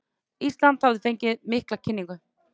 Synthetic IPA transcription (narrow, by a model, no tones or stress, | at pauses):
ist̪lant̪havðɪfejɲcɪðmɪhklacʰɪnːiŋkʏ